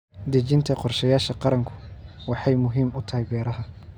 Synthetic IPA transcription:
d̪ɐt͡ʃɪnt̪ʰɐqɔrʃɐjaːʃɐqɑɾɐŋkʰʊ̥wɑħɑjmʊɦiːmʊt̪ʰɐɦɛjbɛːɾɐɦɐ

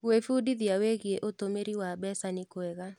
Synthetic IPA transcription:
wefudiðiaweɣjeʔotomeɾiwabɛsanɪkwɛɣa

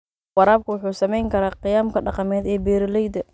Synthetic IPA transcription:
wɑɾaːb̚kʰʊwʊħuːsɐmɛjŋkʰɐɾaːqɪjaːmkʰɐɖɑqɑmɛːd̪ɛːbɛːɾɪlɛjd̪ɐ

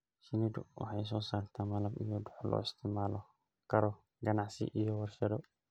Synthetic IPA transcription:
sinidṵwa̰ħajs̬ɔsaɾt̪amalamḭjɔduħɔlɔ̰ist̪imalɔ | kaɾɔ | ɡanasḭʔijɔwaɾʃɛdɔ

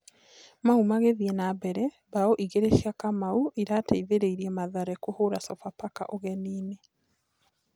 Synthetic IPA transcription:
maumaɣeðiɛnabɛɾɛ | baoʔiɣeɾeʃiakamauʔiɾataiðeɾeiɾiɛmaðaɾɛkohoɾasɔfapaka̰ʔoɣɛniːne

